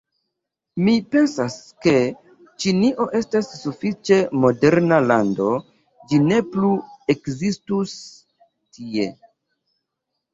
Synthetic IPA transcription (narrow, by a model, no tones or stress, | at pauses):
mipe̞nsaske̞ | t͡ʃiniʔo̞ʔe̞stasːufit͡ʃe̞mo̞de̞ɾnalando̞ | d͡ʒine̞plue̞kzistus | tʰie̞